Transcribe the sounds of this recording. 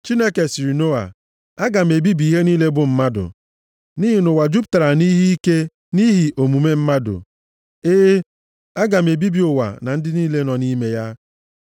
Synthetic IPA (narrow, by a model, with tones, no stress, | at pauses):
t͡ʃi˦ne˦ke˨si˨ɾi˨no˦a̰˨ | a˦ɡa˨m̩˨e˨bi˦bi˨˦ɦe˦niː˦le˦bʊ˦m̩˦ma˦dʊ̰˨ | ni˦ɦi˨nʊ˨wa˨d͡ʒu˦pta˨ɾa˨ni˦ɦi˦i˦ke˦ | ni˦ɦi˨ʔo˨mu˨me˦m̩˦ma˦dʊ̰˨ | eː˦ | a˦ɡa˨m̩˨e˨bi˦bi˨ʊ˨wa̰˨na˨n̩˦dɪ˦niː˦le˦nɔ˨ni˦me˦ja˦